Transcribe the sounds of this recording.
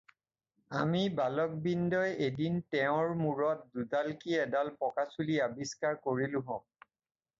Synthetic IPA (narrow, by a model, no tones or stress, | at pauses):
amibalɔk̚bindɔjedintɛʊ̃ɹmuɹɔt̚dudalkiɛdalpɔkasuliabiskaɹkoɹilʊɦɔ̃k̚